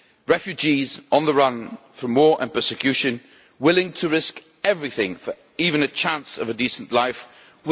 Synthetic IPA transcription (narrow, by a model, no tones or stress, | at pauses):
ɹɛfjʉd͡ʒizə̃nðəɹʌ̃n | fəmɔːɹʔə̰̃npʰɜˑ˞sɪkʰj̥ʉˑʃə̃n | wɪlˠɪ̃ŋtʰəɹɪsk | ɛvɹiθɪ̃ŋfə˞ | iːvə̃nət͡ʃʰãnsəvədiˑsə̃nʔlaɪf | wɪ